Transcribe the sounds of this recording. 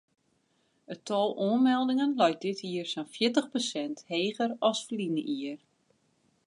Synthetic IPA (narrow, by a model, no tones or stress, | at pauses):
ətʰɔːlˠuənmɛlˠdɪŋənlɔjt̚dɪtʰiərsɔnfjɪtəxposɛntheːɣəɾɑsflinəʔiər